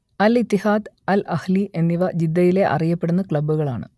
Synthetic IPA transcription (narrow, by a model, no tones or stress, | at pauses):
ɐlit̪ːihaːd̪ | ɐlɐhliʔe̞nːiʋɐd͡ʑid̪ːɐjile̞ʔɐ̰rijɐpːe̞ɽunːɐkɭɐbːuɣɐɭaːɳɨ̰